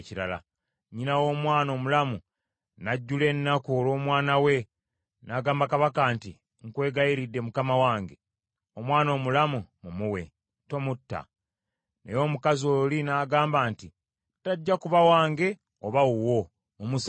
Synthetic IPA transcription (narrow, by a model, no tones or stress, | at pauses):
ciɾala̰ | ɲinawo̞ːmwaːno̞ːmulamu | naɟːule̞nːakuolo̞ːmwaːnawe̞ | naːɡaːmbakaβakaːnti | ŋkwe̞ːɡajiɾidːe̞mukamawaːŋɡe̞ | omwaːno̞ːmulamumumuwe̞̰ | to̞mutːa̰ | nḛjo̞ːmukazoːlinaːɡaːmbaːnti | taɟːakuβawaːŋɡe̞ | oβawuwo̞ | omus